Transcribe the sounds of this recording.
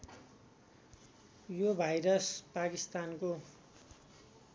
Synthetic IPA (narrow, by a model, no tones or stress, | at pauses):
jobʱajɾʌspakist̪anko